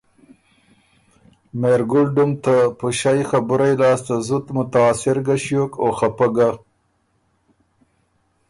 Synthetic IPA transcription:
meɾɡʊlɖʊmt̪apəʃajxabʊɾajlɑːst̪azʊt̪mʊt̪aːsɪɾɡaʃjokoxapəɡa

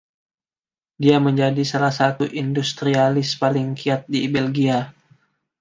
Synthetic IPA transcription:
diaməɲd͡ʒadisalahsat̪uʔindust̪ɾialɪspalɪŋkiat̪̚dibɛlɡia

